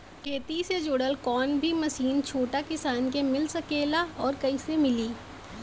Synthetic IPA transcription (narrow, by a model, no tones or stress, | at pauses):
kʰeːt̪ised͡ʒoːɽəlkɔːnbʱimɐsiːnt͡ʃʰoːʈakɪsaːnk̬emɪlsɐkeːlaɔːɾkɐisemɪliː